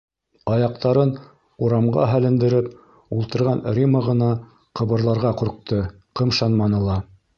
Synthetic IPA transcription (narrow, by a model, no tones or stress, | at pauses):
ɑjɑq̚t̪ɑɾɤn | uɾɑmʁɑ̰ɦælɘ̆nd̪ɘ̆ɾɘp | ulˠt̪ɤ̆ɾʁɑnrʲiməʁɤ̆nɑ | qɤ̆βɤ̆ɾlˠɑɾʁɑquɾq̚t̪ɤ | qɤ̆mʃɑnmɑnɤlˠɑ